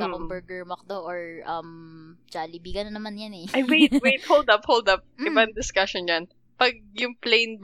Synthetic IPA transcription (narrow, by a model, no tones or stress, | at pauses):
aɐŋbɛɹɡɛɹmɐk̚d̪oʔɔɹʔɐmd͡ʒalibiːɡɐnɐnɐmanjanɛʔɐjwejt̪̚wejt̪howld̪ɐp̚howld̪ɐp̚ɪbɐŋd̪ɪskɐʃond͡ʒɐn | pɐɡ̚jʊŋplejn